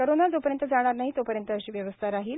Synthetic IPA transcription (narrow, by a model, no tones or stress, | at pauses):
koɾonad͡zopəɾjənt̪əd͡zaɽ̃aɾnaɦit̪opəɾjənt̪əːɕiːʋjəʋəst̪ʰaɾaɦiːl